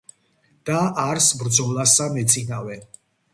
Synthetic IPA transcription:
d̪̥aaɾsbɾd̪zɔlˠasamɛt̪sʰʼinavɛn

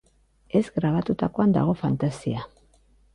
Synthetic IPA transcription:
e̞zɡɾaβ̞at̪ut̪ako̞and̪a̰ɣ̞o̞fant̪asia

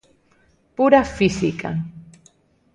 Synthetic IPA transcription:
pʊɾafɪsɪka̰

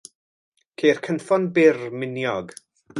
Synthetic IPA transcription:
kʰeːrkʰənfɔnbɪrmɪnjɔɡ

